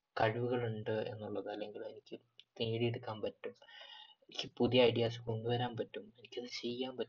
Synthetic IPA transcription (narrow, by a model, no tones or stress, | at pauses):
kɐɻʋuɣɐɭuɳɖɨe̞̰nːuɭːɐðɐlːe̞ŋɡilume̞nikʲːɨ | t̪iːɽieɽukːaːnpɐtːume̞nikʲːɨpuðijɐːjɽijaːsɨ̥kond̪uʋɐɾaːnpɐtːume̞nikʲːɐðɨt͡ɕejːaːnpɐtː